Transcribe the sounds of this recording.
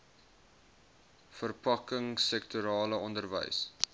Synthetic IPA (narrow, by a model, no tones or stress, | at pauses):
fərpɐkəŋsɛk̚tuɾɑːləɔndərvə̰js